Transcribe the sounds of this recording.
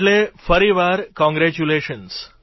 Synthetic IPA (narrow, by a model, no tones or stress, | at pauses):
lefəɾiʋaɾkɔ̃ŋɡɾɛt͡ɕuleʃəns